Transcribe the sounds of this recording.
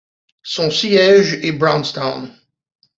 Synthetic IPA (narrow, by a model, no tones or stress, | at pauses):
sɔ̃sijaʒɛbʁãwnst̪ɔ̃n